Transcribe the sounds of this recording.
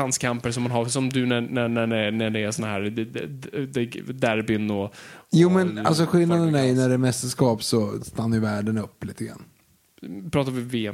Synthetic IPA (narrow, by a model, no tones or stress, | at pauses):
anskʰampəʂɔmːanɦaɾsɔmd̪ɵɛnænæɖɛnɛɖɛːsɔnːaɦæːɾ | d̪ɛd̪æɾbɪnɔjuːmɛna̰lsɔɧɪlnad̪ənæɾjɵnæɖɛmɛst̪əʂkɑːpsɔst̪anːajɵvæːɖənɵpːliːt̪ʰəɡɾa̰nː | pʰɾɑːt̪aɾvɪveːɛ